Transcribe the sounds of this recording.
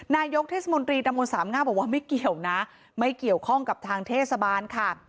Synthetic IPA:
naː˧jo˦˥k̚t̪ʰeː˥˩sa˧mo˧nt̪ɾiː˧t̪a˧mo˧nsaː˩˦mŋaː˥˩bɔː˨˩k̚waː˥˩ma˥˩jki˨˩əwna˦˥ | ma˥˩jki˨˩əwkʰɔ˥˩ŋka˨˩p̚t̪ʰaː˧ŋt̪ʰeː˥˩t̪̚sa˧baː˧nkʰa˥˩

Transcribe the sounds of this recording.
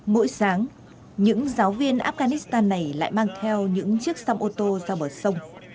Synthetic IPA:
mo̰˧˥jsaː˨˦ŋ | ɲɨ̰˧˥ŋzaː˨˦wvi˧ənʔaː˦˥p̚ɣaː˧ni˦˥st̪aː˧nːa˨˩jla̰ː˧˨jmaː˧ŋt̪ʰɛ˧wɲɨ̰˧˥ŋt͡ɕɨ˦˥ək̚saː˧mʔo˧t̪o˧zaː˧ɓəː˨˩t̚sə˧wŋ͡m

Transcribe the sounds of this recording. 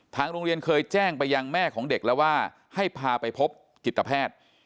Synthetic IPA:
t̪ʰaː˧ŋɾo˧ŋɾi˧ənkʰɤː˧jt͡ɕɛː˥˩ŋpa˧jːa˧ŋmɛː˥˩kʰɔː˩˦ŋde˨˩k̚lɛ˦˥waː˥˩ | ha˥˩jpʰaː˧pa˧jpʰo˦˥p̚ | ki˨˩t̪ːa˧pʰɛː˥˩t̪̚

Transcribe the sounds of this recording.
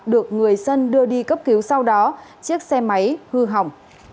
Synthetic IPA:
ɗɨ˨˩ək̚ŋɨ˨˩əjsə˧nɗɨ˧əɗi˧kə˦˥p̚ki˨˦wsa˧wɗɔ˨˦t͡ɕi˦˥ək̚sɛ˧ma˨˦jhɨ˧ɦa˨˩wŋ͡m

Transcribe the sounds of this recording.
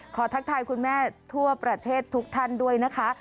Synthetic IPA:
kʰɔː˩˦t̪ʰa˦˥k̚t̪ʰaː˧jkʰu˧nmɛː˥˩t̪ʰu˥˩ɐpɾa˧t̪ʰeː˥˩t̪ʰːu˦˥k̚t̪ʰa˥˩ndu˥˩əjna˦˥kʰa˦˥

